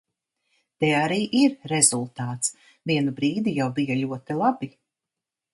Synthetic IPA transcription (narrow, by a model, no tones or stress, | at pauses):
t̪ɛaɾiːʔiɾɾɛzulˠt̪aːt̪s | viɛnubɾiːd̪ijawbijalʲuɔt̪ilˠabi